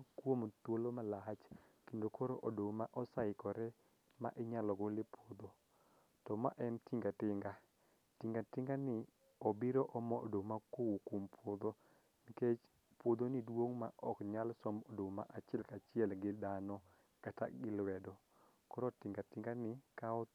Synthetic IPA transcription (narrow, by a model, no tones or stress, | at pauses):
kwomt̪wolomalat͡ʃkendokʰɔɾoʔodomaʔɔsaɪkɔɾɛ | ma̰ʔɪɲalɔɡolɪpod̪o | tɔma̰ʔɛntiŋɡatɪŋɡa | tiŋɡatɪŋɡanɪ | ɔbiɾoʔɔmɔo̰domakowukumpʰod̪o | niket͡ʃ | pwod̪onɪdwoŋma̰ʔɔkɲalsɔmodoma̰ʔat͡ʃjɛlkat͡ʃɪɛlɡɪdanɔ | kata̰ɡɪlwɛdɔ | kɔɾɔtɪŋɡatɪŋɡanɪkaɔ